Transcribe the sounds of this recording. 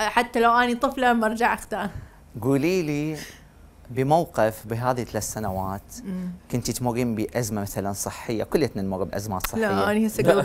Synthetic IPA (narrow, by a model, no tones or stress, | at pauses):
ħat̪ːalawʔanit̪ˤɨflamɑɾˤd͡ʒaʕʔaxt̪aːn | ɡuːliːli | bɪmawqɪfbɪɦaːðit̪alaːt̪sanawaːt̪kɪnt̪ɪt̪mʊɣːimbiʔazmamaθalansˤɨħːɪjːa̰kʊlːat̪nɪnmʊɣːbʔazmaːt̪sˤɨħlaːaʔanihasaɡ